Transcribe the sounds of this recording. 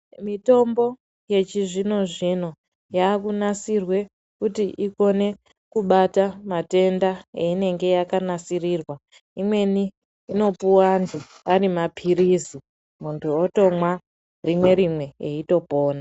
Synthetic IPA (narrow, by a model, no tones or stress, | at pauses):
mito̞mbo̞ | je̞t͡ʃiʐino̞ʐino̞ | jaːkunasirwe̞ | kutiʔiko̞ne̞ | kuɓatamate̞ndaeine̞ŋɡe̞jakanasiriːrwa | imwe̞niː | no̞puwandu | arimapʰirizi | muntʰuo̞to̞mwa | rimwe̞ɾimwe̞ḛito̞po̞ːna